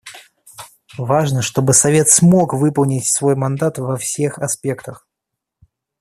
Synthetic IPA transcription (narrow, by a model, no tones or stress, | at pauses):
vaʐnəʂt̪o̞bɨsɐvʲe̞t̪smo̞kvɨpəlˠnʲɪtʲsvo̞jmɐnd̪at̪vɐfsʲexɐspʲe̞kt̪əx